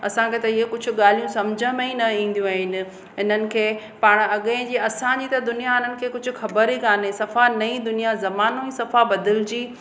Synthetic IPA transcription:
ɐsãkʰeːt̪ɐiɦekʊd͡ʑʱʊ̆ɠaːl̤ijũsɐmd͡ʑʱə̃mẽĩnɐĩːn̆d̪ijũaːɦɪnɪ̆ | ɦɪnənɪ̆kʰeː | paːɽ̃ɐɠeɪ̃d͡ʑiːɐsãd͡ʑiːt̪ɐd̪ʊnijaɪnənɪ̆kʰeːkʊd͡ʑʱʊ̆xɐbəɾɦikaːnesɐfanɐĩd̪ʊnijazɐmaːnoisɐfabɐd̪ɪld͡ʑiː

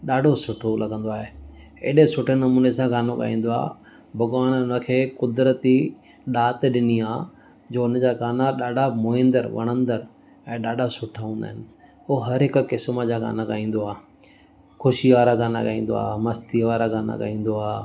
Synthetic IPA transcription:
ɗaːɖʱosʊʈʰolɐɡə̃nd̪oaːɦeḛːɗesʊʈʰenɐmuːnesãɡaːnoka̰ːĩːn̆d̪oa̰ː | bʱɐɡʋaːñʊnəkʰeːkʊd̪ɾət̪i | ɗaːt̪ɗɪniaː | d͡ʑoːʊnəd͡ʑaːɡaːnaɗaːɖʱamoːɪ̃nd̪əɾʋɐ̰ɽ̃ə̃nd̪əɾ | ɛ̃ːɗaːɖʱasʊʈʰaɦũːnd̪aːɦɪnɪ̆ | oɦɐɾɦɪkkɪsməd͡ʑaɡa̰ːnakaːĩːn̆d̪oaː | kʰʊʃiʋaːɾaɡaːna̰kaĩːn̆d̪o̰a̰ːmɐst̪iʋaːɾaɡaːna̰ka̰ːĩːn̆d̪oaː

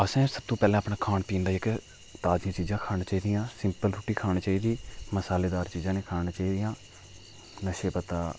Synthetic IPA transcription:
əsɛ̃ːsəb̚t̪õːpɛːlãːəpɳaːkʰaːnpiːnd̪aːɪk | t̪aːd͡ʒjãːt͡ʃiːzãːkʰaːnaːt͡ʃaːiːd̪ɪjãːsɪmpəlɾuːʈiːkʰaːñiːt͡ʃaːiːd̪iːməsaːleːd̪aːɾt͡ʃiːzãːneːkʰaːnãːt͡ʃaːiːd̪ɪjãː | nəʃeːpət̪aː

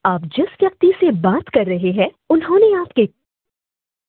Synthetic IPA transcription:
aːp̚d͡ʒɪsʋjɐk̚t̪isebaːt̪kɐɾːɐɦeɦɛ̃ | ʊnɦõːneaːpke

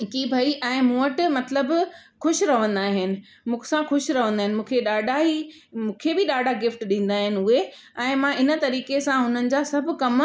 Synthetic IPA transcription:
kibʱaːiʔɛ̃ːmũːəʈmɐt̪ləbxʊʃɾɐʋə̃nd̪aːɦɪnɪ̆ | mũːkʰsãxʊʃɾɐʋə̃nd̪aːɦɪnɪ̆mũːkʰeɗaːɖaɦi | mũːkʰebɪɗaːɖʱaɡɪfʈɗĩːn̆d̪aːɦɪnɪ̆ʊɦe | ɛ̃ːmãɪnə̆t̪ɐɾiːkesãɦʊnənɪ̆d͡ʑaːsɐb̆ʱkɐm

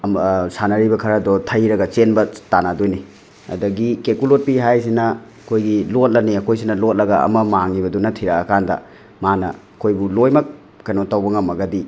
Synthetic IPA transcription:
msanɐɾibɐkʰɐɾɐdɔtʰɐjɾɐɡɐt͡ʃenbɐtanadojni | ɐ̰dɐɡikekulot̚piɦajs̬inɐɐkʰojɡilot̚lɐniɐkʰojs̬inɐlot̚lɐɡɐɐ̰mɐmaŋibɐdunɐtʰiɾɐːkandɐ̰ | manɐ̰ɐkʰojbulojmɐk̚ | kːɐjnotawbɐŋɐmɐɡɐdi

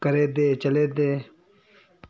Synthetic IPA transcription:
kɐɾeːd̪eːt͡ʃɐleːd̪eː | p

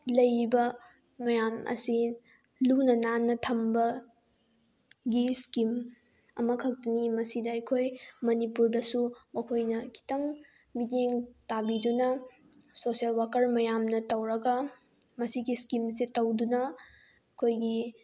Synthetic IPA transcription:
lɐjɾibɐ | mɐjamʔɐ̰si | lunɐnanːɐtʰɐmbɐ | ɡiskim | ɐmɐkʰɐk̚tɐnimɐsidɐɐjkʰojmɐnipuɾdɐsumɐkʰojnɐkʰi̥tɐŋ | bideŋtabidunɐ | sosielwakɐɾmɐjamnɐtɐwɾɐɡɐ | mɐsiɡiskimsetɐwdunɐ | ɐkʰojɡi

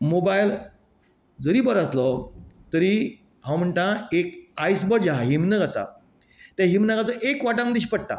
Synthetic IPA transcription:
mobajl | d͡zəɾiːbəɾaslɔt̪əɾi | ɦãwm̤əɳʈãekajsbəɾd͡ʑaɦaɦimnəɡasa̰ | t̪aɦimnəɡat͡sɔʔekʋaʈãməd̪iɕipəɽ̚ʈa̰

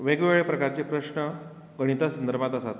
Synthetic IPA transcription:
ʋeɡʋeɭepɾəkaɾt͡ɕepɾəɕɳə | ɡəɽ̃it̪asənd̪əɾbʱat̪asat̪

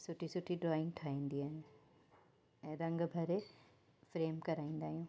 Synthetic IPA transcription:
sʊʈʰisʊʈʰiɖɾɔːɪ̃ŋɡʈʰaːĩːnd̪iaːɦĩ | ɛ̃ːɾɐ̃ŋɡbʱɐɾe | fɾeːmkɐɾaːĩːn̆d̪aːɦijũː

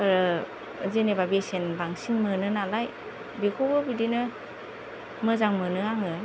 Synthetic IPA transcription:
ɾɯ | zenebabesenbaŋsiŋmɯnɯnalaj | bekʰobɯbidinɯ | mɯzaŋmɯnɯaŋɯ

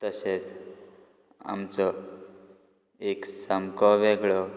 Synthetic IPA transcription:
t̪əset͡s | a̰mt͡sɔ | eksəmkɔʋeɡɭɔ

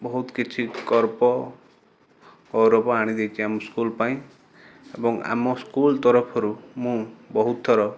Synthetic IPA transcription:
bɔɦut̪kit͡ʃʰikɔɾpɔ | ɔwɾopaaɽ̃id̪ejt͡ʃʰiamɔskulpaĩ | ebɔŋa̰mɔskult̪ɔɾɔpʰɔɾumũbɔɦut̪̚ːɔɾɔ

